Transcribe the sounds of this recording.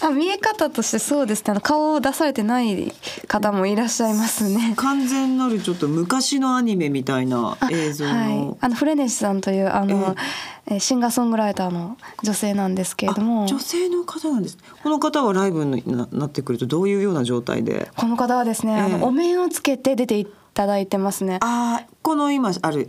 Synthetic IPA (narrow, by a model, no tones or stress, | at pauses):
amʲie̞kat̪at̪o̞ɕi̥t̪e̞so̞ːd̪e̞sɨne̞ano̞kaoːd̪asaɾe̞t̪e̞naikat̪amo̞iɾaɕːaimasɨne̞kãnzẽ̞nːaɾɯ̟t͡ɕo̞t̪ːomɯ̟kaɕino̞aɲ̟ime̞mʲit̪aina̰aeːzohːaianoɸɯ̟ɾe̞neɕi̥sãnt̪o̞jɯ̟ːʔano̞eɕĩŋɡasõ̞ŋɡɯ̟ɾait̪aːno̞d͡ʑo̞se̞ːnãnd̪e̞sɨ̥ke̞ɾed̪o̞mo̞d͡ʑo̞se̞ːno̞kat̪anãnd̪e̞sɨ̥neko̞no̞kat̪aβaɾaibɯ̟nnːat̪ːe̞kɯ̟ɾɯ̟t̪o̞d̪o̞ːjɯ̟ːjo̞ːnaʑo̞ːt̪a̰ḭd̪e̞̰ko̞no̞kat̪aβad̪e̞sɨne̞ano̞ʔomẽ̞ɰ̃ot͡sɨ̥ke̞t̪e̞d̪e̞t̪e̞i | t̪ad̪ait̪e̞masɨne̞ako̞no̞imaaɾɯ̟